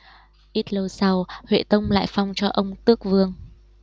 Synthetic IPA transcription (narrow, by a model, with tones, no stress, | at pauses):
ʔi˦˥t̚lə˧wsa˨˧whwḛ˧˨t̪ə˧wŋ͡mla̰ː˧˨jfa˧wŋ͡mt͡ɕɔ˧ʔə˧wŋ͡mt̪ɨ˦˥ək̚vɨ˧əŋ